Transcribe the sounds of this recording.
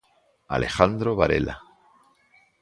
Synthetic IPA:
a̰lʔe̞xand̪ɾoβaɾḛla

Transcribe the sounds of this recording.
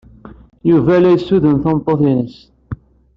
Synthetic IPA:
juvælæjsːuðənθɑmt̪ˤːoθinəs

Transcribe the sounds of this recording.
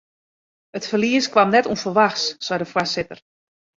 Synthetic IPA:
ətfərliəskwamnɛtuənfəlʋaxssɔjdəfwasɪtər

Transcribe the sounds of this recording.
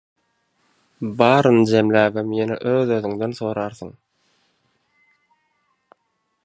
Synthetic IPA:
bɑːɾɯnd͡ʒe̞mlʲæːɡemjenḛʔøːðøðyŋd̪enθo̞ːɾɑːɾθɯ̰ŋ

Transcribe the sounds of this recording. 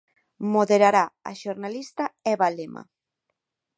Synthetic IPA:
moðeɾaɾaa̰ʃoɾnalist̪aɛβalema̰

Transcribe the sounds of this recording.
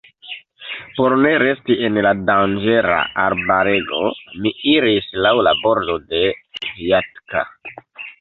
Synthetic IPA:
po̞ɾne̞ɾe̞stienladand͡ʒeɾa̰ʔaɾbaɾe̞ɡo̞̰miiɾislawlabo̞ɾdo̞de̞viatka̰

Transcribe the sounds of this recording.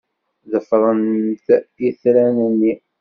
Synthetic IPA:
ðəfɾˤənt̪iθɾænənːi

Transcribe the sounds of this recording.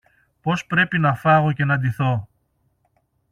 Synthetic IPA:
po̞spɾe̞pinɐfɐɣoce̞nɐd̪iθo̞

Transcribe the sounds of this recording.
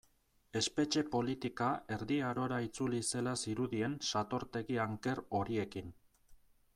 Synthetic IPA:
e̞spe̞t͡ʃe̞po̞lit̪ikae̞ɾðiaɾo̞ɾait͡sulise̞lasiɾuðie̞nsat̪o̞ɾt̪e̞ɣiaŋke̞ro̞ɾie̞kin

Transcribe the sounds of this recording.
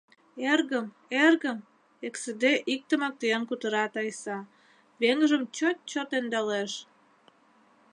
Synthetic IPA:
erɣəm | erɣəm | eksəd̪eʔik̚t̪ə̆mək̚t̪ejənkut̪əɾɑt̪ɑjsɑ | βeŋʒəmt͡ɕot̪̚t͡ɕot̪end̪ɑleʃ

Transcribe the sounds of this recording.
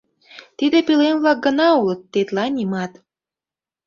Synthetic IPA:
t̪id̪epilenβlɑk̚ɡə̆nɑulət̪ːet̪lɑnʲimɑt̪

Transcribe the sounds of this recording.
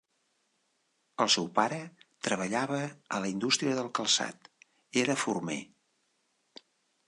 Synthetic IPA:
əlˠsɛwpaɾət̪ɾəβ̞əʎaβəːləind̪ust̪ɾiəðəlˠkəlˠsa̰t̪ | eɾəfurmḛ

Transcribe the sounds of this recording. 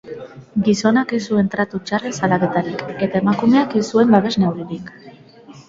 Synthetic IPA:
ɡiso̞nake̞sue̞nt̪ɾat̪ut͡ʃaresalake̞t̪aɾike̞t̪ae̞makume̞ake̞sue̞mbaβe̞znawɾiðik

